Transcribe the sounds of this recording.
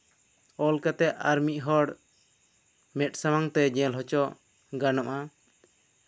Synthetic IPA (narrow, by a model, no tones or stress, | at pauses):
ɔlkat̪ɛʔʔaɾmiʔ̚ˀɦɔɽ | mɛt̪̚ˀsamaŋt̪ɛd͡ʒɛ̃lɦɔt͡ʃɔʔ | ɡanɔʔa